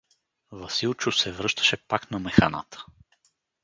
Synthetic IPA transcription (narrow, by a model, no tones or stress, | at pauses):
vɐsilˠt͡ʃʊsɛvɾɤʃt̪ə̥ʃɛpaknɐmɛxana̰t̪ə̥